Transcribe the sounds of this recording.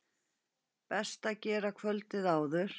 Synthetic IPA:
pɛst̪acɛːɾakʰvœlt̪ɪðaːwðʏɾ̥

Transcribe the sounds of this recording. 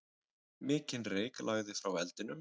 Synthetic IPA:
mɪːcɪnreːjklʔaːɣðɪfɾawvɛlt̪ɪnʏm

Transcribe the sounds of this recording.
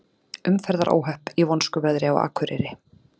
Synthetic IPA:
ʏmfɛɾðaɾʔo̰ːwɦœhpivɔnskʏvɛðɾɪɔ̰ɣa̰ːkʰvʏɾɪ̰ɾɪ

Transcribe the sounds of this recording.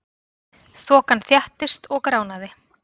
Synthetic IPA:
θɔːkanθjaht̪ɪst̪ɔɣkɾaːwnaðɪ

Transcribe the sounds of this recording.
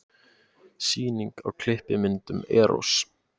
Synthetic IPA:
siːniŋka̰ɣkʰl̥ɪhpɪmɪnt̪ʏmɛːɾʔo̰s

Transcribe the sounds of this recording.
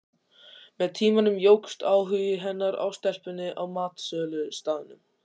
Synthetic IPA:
mɛðt̪ʰiːmanʏmjowkst̪aːwɦʏjɪɦɛnːaɾa̰wst̪ɛr̥pʏnːɪʔawmaːt̪sœːlʏst̪aːðɪnʏm

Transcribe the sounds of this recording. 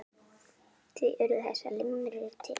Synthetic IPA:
t̪ʰiʔɛɾʏθɛ̰sːa̰lɪmɾʏːt̪ʰɪ

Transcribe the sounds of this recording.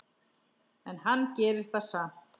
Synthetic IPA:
ɛnɦanːcɛːɾɪɾ̥θasam̥t̪

